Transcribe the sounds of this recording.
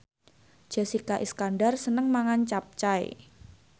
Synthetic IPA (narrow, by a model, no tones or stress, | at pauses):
d͡ʒ̥a̤sikaʔiskandarsənəŋmaŋant͡ʃap̚t͡ʃaj̰